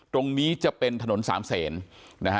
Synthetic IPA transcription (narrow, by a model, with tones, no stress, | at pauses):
t̪ɾo˧ŋniː˦˥t͡ɕa˨˩ʔpe˧nt̪ʰa˧no˩˦nsa̰ː˩˦msɛː˩˦nna˦˥kʰ